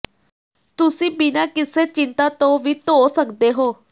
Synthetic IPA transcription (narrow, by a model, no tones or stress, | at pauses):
t̪ʊsĩːbɪnaːkɪseːt͡ʃɪnt̪aːt̪õːʋiːt̪oːsəkd̪eːɦoː